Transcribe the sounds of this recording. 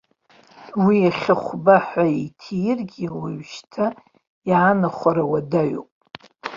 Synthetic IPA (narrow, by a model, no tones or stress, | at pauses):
wiaχʲaχʷbaħʷaitʰijɪrɡʲiwaɥʃtʰa | jaːnaχʷaɾawadaɥo̰pʼ